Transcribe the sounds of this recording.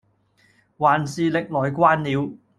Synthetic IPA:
waː˨nsiː˨lɪ˨k̚lɔː˨jkʷaː˥nliː˨˧w

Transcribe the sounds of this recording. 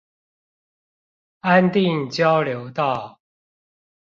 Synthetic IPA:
a˦nt̪i˥˨ŋt͡ɕjɑ˦ʊljo˨˦ʊt̪ɑ˥˨ʊ

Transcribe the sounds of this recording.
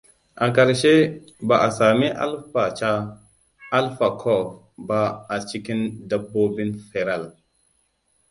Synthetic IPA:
a˨ka˨ɾʃe˦ | ba˨ʔa˨sa˨mi˦ʔa̰˦lfa˨t͡ʃaː˦ | lfa˨kʰɔ˦˨f | ba˨a˨t͡ʃi˦ki˦nda˨bːo˦bi˦nfe˨ɾa˦˨l

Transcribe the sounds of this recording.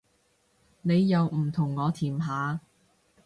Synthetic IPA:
ne˨˧jːɐ˨˧wm̩˨˩t̪ʰʊ˨˩ŋːɔː˨˧t̪ʰiː˨˩mɦaː˨˧

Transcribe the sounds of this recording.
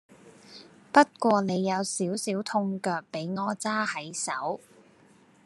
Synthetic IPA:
pɐ˥t̚kʷɔː˧ne˨˧jːɐ˨˧wsiː˨˥wsiː˨˥wt̪ʰʊ˧ŋkœː˧k̚pe˨˥jŋɔː˨˧t͡saː˥hɐ˨˥jsɐ̰˨˥w

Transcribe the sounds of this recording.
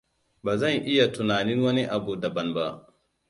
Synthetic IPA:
baː˨zɐ˦˨ŋʔɪ˦ja˨tʊ˨naː˨ni˦nwɐ˦ni˦ʔa˨bu˨dɐ˨bɐ˦nba˦ʔ

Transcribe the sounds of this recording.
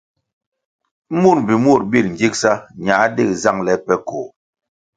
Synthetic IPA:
mu˦˨ɾm˨bi˨mu˦˨ɾbi˦˨ln̩˨d͡ʒi˦k̚sa˦ɲa˨˦de˦˨kza˦˨ŋlɛ˨˦pɛ˦ko˨

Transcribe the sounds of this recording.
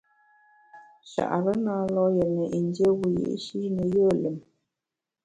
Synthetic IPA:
ʃa̰˨ʔa˨ɾə˦naː˦lɔ˦jɛ˨nə˨ʔi˨ndjə˦ɣu˨jḭ˦ʔʃi˦ɾnə˨jəː˦˨le˨m

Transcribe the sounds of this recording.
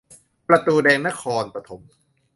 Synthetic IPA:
pɾa˧t̪uː˧dɛː˧ŋna˦˥kʰɔː˧npɾa˧t̪ʰo˨˩˦m

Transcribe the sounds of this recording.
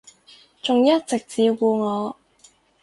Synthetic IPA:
t͡sʊ˨ŋjɐ˥t̚t͡sɪ˨k̚t͡siː˨˧kuː˧ŋɔː˨˧

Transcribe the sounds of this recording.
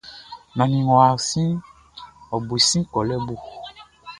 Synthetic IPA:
nɔ̃˨nĩ˨ŋɔ̃˨a˨sĩ˦ | ɔ˨bu˨sĩ˦kɔ˨lɛ˦bu˦˨

